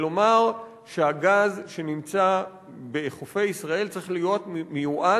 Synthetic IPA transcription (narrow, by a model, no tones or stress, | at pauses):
lo̞maʁ | ʃeaɡazʃe̞nimt͡sa | be̞χofe̞jisʁae̞lt͡sʁiχlijo̞tmejuʔa